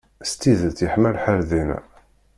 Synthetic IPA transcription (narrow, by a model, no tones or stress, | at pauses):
st̪iðət͡sːjəħmælħəɾðin